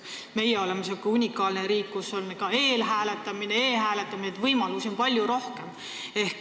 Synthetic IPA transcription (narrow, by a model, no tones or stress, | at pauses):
me̞jeo̞le̞mesiokːˑeunʲikːˑɑːlneɾiːkːusolːkɑe̞ːlɦæːle̞t̪ːˑɑmineeːɦæːle̞t̪ːˑɑminet̪vɤjmɑluso̞npɑlʲjuɾo̞hke̞m | e̞hk